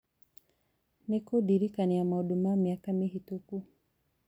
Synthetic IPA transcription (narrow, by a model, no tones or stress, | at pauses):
nekodiɾikaniamaodomamiakamiɦituku